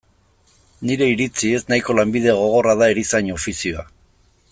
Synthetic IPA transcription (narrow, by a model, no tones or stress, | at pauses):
niɾe̞iɾit͡sie̞snajko̞lambiðe̞ɣ̞o̞ɣ̞o̞raðaeɾisaɲo̞fisioa